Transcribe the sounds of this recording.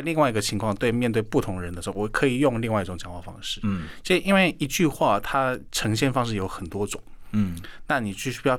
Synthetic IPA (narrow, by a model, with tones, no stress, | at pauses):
a˥ɪli˥˧ŋwa˥ɪi˧˥ɡə˧t͡ɕʰi˧˥ŋkʰwɑ˥˧ŋt̪we˥˧ɪmjɛ˥˧nt̪we˥˩ɪpu˥˩t̪ʰʊ˧˥ŋɻə˧nə˧ʂ̩˧˥xo˥˧wɔ˨˩kʰɤ˧˥i˨˩jʊ˥˧ŋli˥˧ŋwa˥˧ɪi˧ʈ͡ʂʊ˧˥ŋt͡ɕjɑ˨˩ŋwa˥˩fɑ̰˥ŋʂɻ̩˥˩t͡ɕʰə˥ʂ̩˥˩i˥nwe˥˩ɪi˧˥t͡ɕy˥˧xwa˥˩t̪ʰa˥ʈ͡ʂʰɤ˧˥ŋɕjɛ˥˩nfɑ˥ŋʂ̬ɻ̩˥˩jo˧˥ʊxə˨˩nt̪wɔ˥ʈ͡ʂʊ˨˩˦ŋ | na˥˩ni˨˩t͡ɕy˥˩˥jɑ˥˩